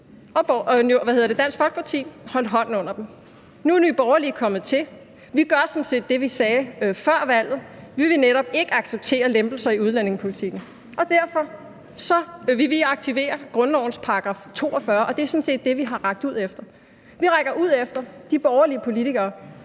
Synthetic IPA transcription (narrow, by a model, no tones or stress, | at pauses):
ɒ̥noʋæhe̝ðˠɐde̝d̥æn̰sɡ̥fɒ̽lɡ̥pʰɑ̈t͡sʰḭːhɒ̽lɦɒ̽n̰n̩ɔ̽n̰ɐd̥em̩ | nuænyb̥ɒʊɐlikʰɒ̽m̰ð̩ˠt͡sʰe̝l | ʋiɡ̥ɶɐsɔ̽n̩se̝̰ːd̥ːe̝ʋisɛːfɶɐ̰ʋæl̰ð̞̩ˠʋiʋe̝neɾ̥ɒ̽b̥̚e̝ɡ̥əɑ̈ɡ̥seb̥̚t͡sʰe̝̰ːɐlemb̥l̩sɐiuð̞ˠlæne̝ŋspʰo̝lit͡sʰiɡ̥n̩ | ʔɒ̽d̥æɐ̰fɒ̽ | sɒ̽ʋeʋiɑ̈ɡ̥̚t͡sʰiʋe̝̰ːɐɡ̥ʁɔ̽nnɒʊ̰n̩spʰɑ̈ɑɡ̥ʁɑ̰̈ft͡sʰo̝̰ːɒ̽fɶːɐʔɒ̽d̥e̝sɔ̽n̩se̝̰ːd̥ːe̝ʋiɦɑ̈ʁɑ̈ɡ̥̚d̥uð̞̰ˠefd̥ɐ | ʋiʁaɡ̥ɐʔuð̞̰ˠefd̥ɐd̥ib̥ɒʊɐliəpʰo̝lit͡sʰiɡ̥ɐː